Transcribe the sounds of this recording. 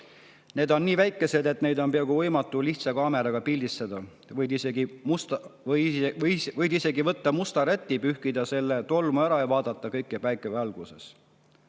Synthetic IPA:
ne̞ːd̪o̞nːiːvæjkːˑe̞se̞d̪e̞t̪ne̞jd̪o̞npeɑɡuvɤjmɑt̪ːˑuliht̪sɑkɑːme̞ɾɑɡ̥ɑpilʲd̪ist̪ed̪̥ɑ | vɤjd̪iseɡimust̪ | vɤjd̪ise̞ɡivɤt̪ːɑmust̪ɑɾet̪ːipyhkid̪ɑse̞lːe̞t̪o̞lmuæɾɑejvɑːd̪̥ɑt̪ˑːɑkɤjkːˑepæjkːˑevɑlɡ̥use̞s

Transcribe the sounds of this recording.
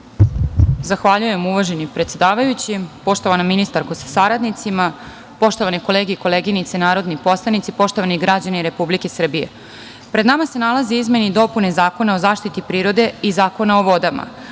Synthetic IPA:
zaxʋaʎuje̞muʋaʒenipɾet̪se̞d̪aːʋajut͡ɕipo̞ʃt̪oʋanominist̪aɾkosḁsaɾad̪nit̪sima | po̞ʃt̪o̞ʋaniko̞leːɡeiko̞leɡinit̪senaːɾo̞d̪nipo̞slˠanit̪sipo̞ʃt̪o̞ʋaniɡɾad͡ʑaniɾe̞publike̞sr̩bijḛ | pɾed̪namase̞nalˠazeizme̞nid̪o̞pune̞zaːko̞nao̞zaːʃt̪it̪ipɾiːɾo̞d̪e̞izaːko̞nao̞ʋo̞d̪ama̰

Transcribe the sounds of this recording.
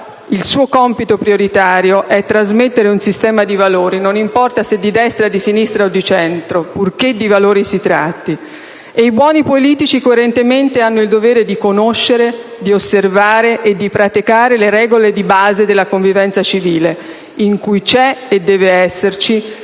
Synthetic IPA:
ilsuːokɔmpit̪opɾioɾit̪aːɾjoʔɛt̪ːɾazmet̪ːeɾeunsist̪ɛːmad̪ivaloːɾinonimpɔrt̪ased̪ːid̪ɛst̪ɾad̪isinist̪ɾaod̪ːit͡ʃɛnt̪ɾopurk̟ed̪ːivaloːɾisit̪ɾa̰t̪ːi | eibwɔːnipoliːt̪it͡ʃikoeɾent̪ement̪eanːoild̪oveːɾed̪ikonoʃːeɾed̪iosːervaːɾeʔed̪ːipɾat̪ikaːɾeleɾɛːɡoled̪ibaːzed̪elːakoɱvivɛnt̪sat͡ʃiviːle | iŋkujt͡ʃɛed̪ːɛːveɛsːert͡ʃi

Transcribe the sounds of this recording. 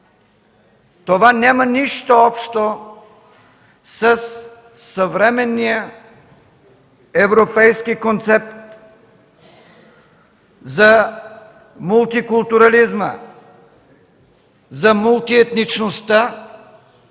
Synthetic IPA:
t̪ovanʲamɐniʃt̪oɔpʃt̪o | səsː | əvɾɛmɛnːijə | ɛvɾopɛjskikont̪sɛp̚t̪ | zɐ | mulˠt̪ikulˠt̪uɾalizmə̰ | zɐmulˠt̪iɛt̪nit͡ʃnost̪a

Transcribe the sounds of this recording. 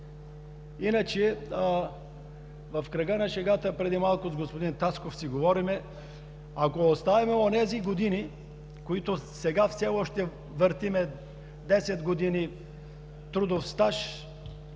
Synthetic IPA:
inət͡ʃɛ | vɐfkɾɐɡənɐʃɛɡat̪əpɾɛd̪imalˠkʊzɡospod̪int̪askofsiɡovɔɾimɛ | akoost̪avɛmɛonɛziɡod̪ini | koit̪osɛɡafsɛɔʃt̪ɛ | vəɾt̪imɛ | d̪ɛsɛt̪ɡod̪ini | t̪ɾud̪ofst̪aʃ

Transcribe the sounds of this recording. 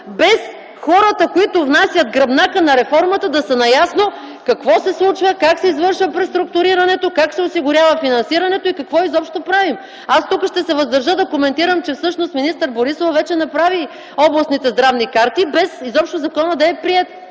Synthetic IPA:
bɛs | xɔɾət̪əkoit̪ʊvnasʲjɐt̪̚ɡɾɐbnakənɐɾɛfɔɾmət̪əd̪ɐsɐnɐjasno | kɐkvɔsɛslˠut͡ʃvəkaksɛizvɤɾʃvəpɾɛt̪ɾʊk̚t̪ʊɾiɾɐnɛt̪okaksɛosiɡʊɾʲavəfinɐnsiɾɐnɛt̪oikɐkvɔizɔpʃt̪opɾavim | ast̪ukəʃt̪ɛsɛvɐzd̪ɐɾʒəd̪ɐkomɛnt̪iɾəmt͡ʃɛfsɤʃnost̪minist̪əɾboɾisofvɛt͡ʃɛnɐpɾavi | ɔblˠɐsnit̪ɛzd̪ɾavnikaɾt̪ibɛsizɔpʃt̪ozɐkɔnəd̪ɐɛpɾiɛt̪

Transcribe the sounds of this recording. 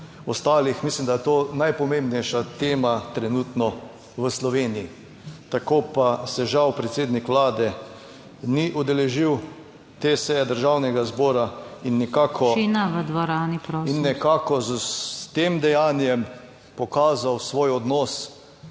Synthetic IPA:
ɔst̪aːlixmislimd̪ajɛt̪onajpɔmẽmbnɛjʃat̪eːmat̪ɾɛnut̪nɔ | ʋəslɔʋeːniji | t̪akopasɛʒawpɾɛt̪seːd̪nikʋlaːd̪ɛ | niʔud̪ɛlɛʒiw | t̪esɛjɛd̪əɾʒawnɛɡazbɔːɾainːikaːkʰɔinaʋəd̪ʋɔɾaːnipɾɔinnːɛkakɔzt̪eːmd̪ɛjaːnjɛm | pɔkaːzawsʋoːjɔd̪nɔːs

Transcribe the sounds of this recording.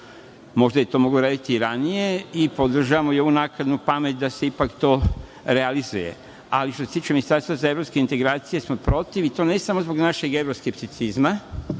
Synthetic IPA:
mo̞ʒd̪ajet̪o̞ːmo̞ɡloɾaːd̪it̪iɾanije̞ipo̞d̪r̩ʒaʋamoio̞ʋunakad̪nupamet̪̚d̪ase̞ipakt̪o̞ː | ɾealizuje̞̰ | a̰liʃt̪oset̪iːt͡ʃeminist̪aɾst̪ʋazae̞vɾopskeint̪e̞ɡɾaːt̪sije̞smopɾo̞t̪iʋit̪o̞ne̞samozboɡnaʃe̞ɡe̞ʋɾoskept̪it̪sizma

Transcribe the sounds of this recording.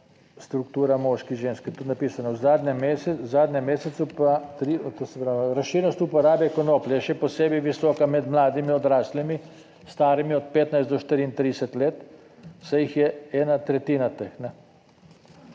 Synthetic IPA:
st̪ɾukt̪uːɾamɔːʃkiʒeːnskit̪ut̪napiːsanawzaːd̪nʲɛmːesɛzaːd̪nʲɛmːeːsɛt̪supat̪ɾit̪osɛpɾaːʋɾasʃiɾnɔst̪upɔɾaːbjɛkɔnoːpljɛʃɛpɔseːbɛʋisɔːkamɛd̪mlaːd̪imiɔd̪ɾaːslimi | st̪aːɾimiɔt̪̚peːt̪najzt̪d̪ɔʃt̪iɾiint̪ɾid̪ɛsɛt̪leːt̪ | sajixjɛɛːnat̪ɾɛt̪iːnat̪exnɛ

